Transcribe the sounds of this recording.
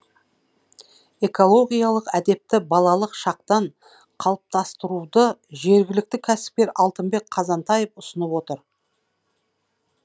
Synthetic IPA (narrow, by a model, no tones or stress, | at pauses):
e̞ko̞lˠo̞ɡʲijɑlˠəqæd̪e̞p̚t̪ɪbɑlˠɑlˠəqʃɑq̚t̪ɑɴ | qʰɑlˠəp̚t̪ɑst̪əɾud̪əʒe̞ɾɡʲɪlɪk̚t̪ɪkʲʰæsɪ̥p̚kʲe̞ɾɑlˠt̪əmbe̞k̚qʰɑzɑnt̪ɑjəpʊsənəpwo̞t̪əɾ